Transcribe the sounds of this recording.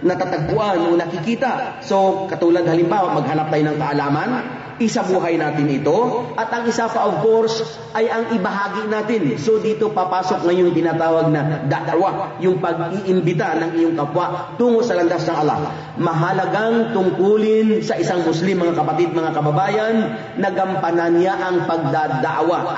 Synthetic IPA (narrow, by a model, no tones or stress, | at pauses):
nɐt̪at̪ɐɡ̚pʊʔanʔo̞nɐkɪkiːt̪ɐʔso̞kɐt̪uːlɐd̪̚hɐlɪmbaːwaʔmɐɡ̚hɐnap̚t̪ɐjonɐŋkɐʔɐlaːmɐn | ʔɪsabuːɦɐjnaːt̪ɪnɪt̪o̞ʔɐt̪ʔɐŋɪsapɐʔovko̞ɾs | ʔɐjʔɐŋʔɪbɐɦaːɡinaːt̪ɪnso̞d̪iːt̪o̞papaːso̞k̚ŋɐjoŋt̪ɪnaːt̪aːwɐɡ̚nɐd̪ɐʔd̪aʔwajʊŋpɐɡ̚iʔɪmbɪt̪anɐŋɪjoŋkɐpwaʔt̪uːŋosɐlɐŋɡ̪asnɐŋʔɐlːa̰h | mɐɦɐlɐɡaŋt̪ʊŋkuːlɪnsɐʔɪsaŋmʊslimːɐŋakɐpɐt̪id̪̚mɐŋakɐbɐbaːjɐnː | ɐɡɐmpɐnɐnjaʔɐŋpɐɡ̚d̪ad̪aʔwa